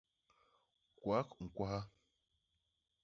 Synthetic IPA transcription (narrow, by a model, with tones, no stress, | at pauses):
kwa˨˦kŋ̩˨kwa˦ha˦